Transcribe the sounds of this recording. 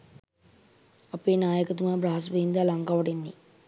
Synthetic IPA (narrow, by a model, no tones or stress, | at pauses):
ɐpeːnaːjəkɐt̪umaːbɾaɦɐs̬ʋeind̪alaŋɡaʋɐɖenːi